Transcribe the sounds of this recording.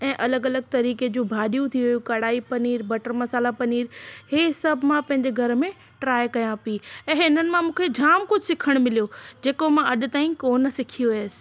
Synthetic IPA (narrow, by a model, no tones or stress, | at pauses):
ɛ̃ːʔɐləɡɐləɡ̚t̪ɐɾiːked͡ʑũːbʱaːɗijũt̪ʰiʋʊjũkɐɽaːipɐniːɾbɐʈəɾmɐsaːlapɐniːɾhesɐbʱɪmãpɐ̃ɦɪɲd͡ʑeɡʱɐɾmẽ | ʈɾaːjkɐjãpiɛ̃ːɦɪnənɪ̆mãmũːkʰed͡ʑʱaːmkʊd͡ʑʱɪsɪkʰəɽ̃mɪlijod͡ʑeːkomãʔɐɗʊ̆t̪aːĩkoːnsɪkʰijoʋɪjəsɪ̥̆